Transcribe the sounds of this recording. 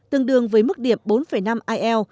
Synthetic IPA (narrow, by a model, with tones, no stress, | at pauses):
t̪ɨ˨˧˩əŋɗɨ˨˩əŋvəː˨˦jmɨ˦˥k̚ɗi˧˩əm̚ɓo˨˦nfə˧˩jna˧mʔaː˧jʔɛ˧w